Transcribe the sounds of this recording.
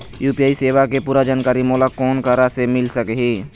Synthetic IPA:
juːpiaːiseːʋakepuːɾad͡ʒaːnkaːɾimoːlakɔːnkaɾasemɪlsəkɦiː

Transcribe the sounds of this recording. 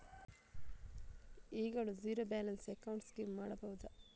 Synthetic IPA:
iːɡɐɭuziːɾoːbaːlɐnsekːɐwɳʈskemːaːɽɐbɐʋud̪ɐ

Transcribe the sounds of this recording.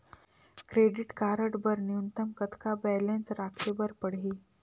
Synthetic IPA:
kɾeɖiʈkaɾəʈbəɾniunt̪əmkət̪kabɛlensɾakʰebəɾpəɽɦi

